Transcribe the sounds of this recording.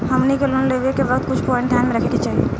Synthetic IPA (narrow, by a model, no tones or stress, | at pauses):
həmnikelonleʋekebəkd̪̚kʊt͡ʃʰpɔɪ̃ɳʈ̚d̪ʱjanmeɾəkʰeket͡ʃaːɦie